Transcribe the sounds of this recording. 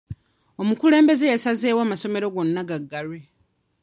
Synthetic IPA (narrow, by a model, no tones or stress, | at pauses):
o̞mukule̞ːmbe̞zejasazeːwaːmaso̞me̞ɾo̞ɡo̞nːaɡaɡːaɾwe